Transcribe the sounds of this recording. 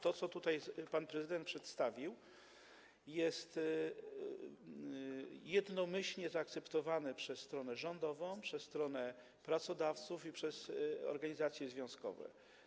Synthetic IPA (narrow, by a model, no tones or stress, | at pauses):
t̪ɔt̪sɔt̪ut̪ajpanpɾɛzɘd̪ɛnt̪pʂɛt̪st̪avʲiw | jɛst̪ | jɛd̪nɔmɘɕlɲɛzaːk̚t̪sɛpt̪ɔvanɛpʂɛsːt̪ɾɔnɛʐɔnd̪ɔvɔ̃w̃pʂɛsːt̪ɾɔnɛ | pɾat̪sɔd̪aft̪sufipʂɛzɔ̰ɾɡaɲizat̪sʲjɛzvʲjɔ̃skɔ̰vɛ̰